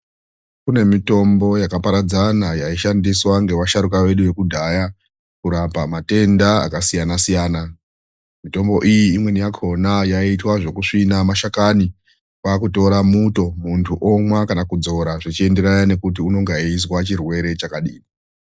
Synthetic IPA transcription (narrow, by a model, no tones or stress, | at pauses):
kune̞mito̞mbo̞jakapaɾad͡zanajaiʃandiswaŋɡe̞waʃaɾukaʋe̞ɗuʋe̞kudʱaja | kuɾapamate̞ndaa̰kasijanasijaːna | mito̞mbo̞ʔijiːmwe̞nijakʰo̞najaitwaʐo̞kuʂinamaʃakani | wakuto̞ɾamuto̞muntʰuʔomwakanakud͡zo̞ɾaʐit͡ʃie̞nde̞ɾajane̞kut̬iuno̞ŋɡais̬wat͡ʃirwe̞ɾe̞t͡ʃakaɗiːni